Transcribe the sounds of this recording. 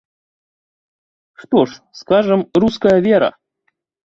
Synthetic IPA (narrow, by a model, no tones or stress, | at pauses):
ʂt̪oʂskaʐɨmruskəjəvʲeɾə̰